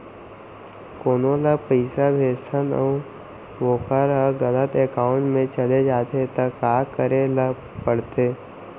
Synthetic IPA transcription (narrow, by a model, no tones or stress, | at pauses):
koːnoləpəɪsabʱeːst̪ʰənə̰u | ʋoːkʰəɾəɡələt̪eːkaːʊ̃ɳʈmẽt͡ʃəled͡ʒaːt̪et̪əkaːkəɾelə | pəɽt̪eː